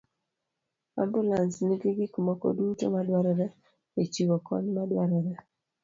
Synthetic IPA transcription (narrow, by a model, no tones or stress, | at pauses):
a̰mbulansniɡiɡɪkumɔkɔ̰duto̰madwaɾɔɾɛ | et͡ʃiwɔkɔ̰ɲmadwaɾɔɾɛ